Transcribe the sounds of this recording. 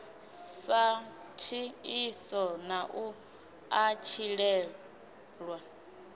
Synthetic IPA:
sa | tʰiisɔnaʔu | at͡ʃʰiɺɛ | ɺwa

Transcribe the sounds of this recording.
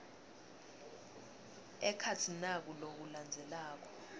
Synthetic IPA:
ɛkʰatʰinak̬ulok̬uland͡zʱɛlaːk̬ɔ̥

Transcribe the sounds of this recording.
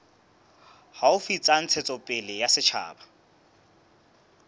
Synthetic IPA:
haʊfit͡sʼan̩t͡sʰet͡sʼɔpʼɪlɪjasɪt͡ʃʰa̰ːba

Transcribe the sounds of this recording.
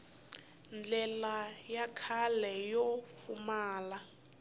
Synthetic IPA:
nd͡ɮɛlajakʰalɛjɔfumaːla

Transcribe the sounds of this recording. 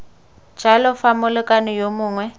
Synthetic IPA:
d͡ʒ̥ʱalɔfamʊlʊkʼanɔjomʊːŋwɛ

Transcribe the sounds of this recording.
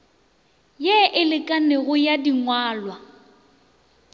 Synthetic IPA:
jeːʔɪlɪkʼaneɣʊjadiŋwaːlwa

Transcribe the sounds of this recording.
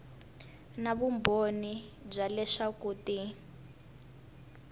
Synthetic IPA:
naβumbʱonib͡ʐalɛʂakuːti

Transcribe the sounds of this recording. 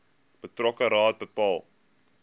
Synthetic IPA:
b̥ətrɔkəɾɑːt̚bəpɑːlˠ

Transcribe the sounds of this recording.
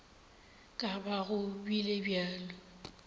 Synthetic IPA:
kʼabaɣʊbilebjaːlɔ

